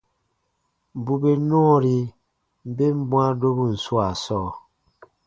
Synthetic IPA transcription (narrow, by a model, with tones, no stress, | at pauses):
m˨bu˦be˦nɔ˦˨ɾi˦ | m̩˦be˦m̩˦bwa˦do˦bu˦n̩˨swa˨sɔ˦˨